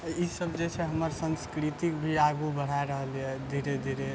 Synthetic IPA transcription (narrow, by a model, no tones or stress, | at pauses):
isəbd͡ʒet͡ʃʰɛɦəməɾsə̃nskɾit̪ikbʱiaɡubəɽ̤aeɾəɦəljɛd̪ʱiɾed̪ʱiɾe